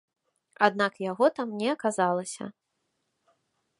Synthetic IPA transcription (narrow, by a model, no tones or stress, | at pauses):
ad̪nakjaɣɔt̪amnʲɛɐkazalˠɐsʲɐ̰